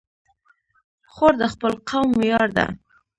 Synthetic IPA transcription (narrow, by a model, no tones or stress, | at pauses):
xoɾd̪əxpəlqawmjɑɾd̪a̰